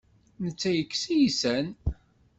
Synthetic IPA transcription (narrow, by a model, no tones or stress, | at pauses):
nət͡sːæjəkːsijisæn